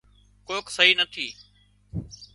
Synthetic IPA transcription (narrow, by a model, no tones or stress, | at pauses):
koːksəɦiːnət̪ʰiː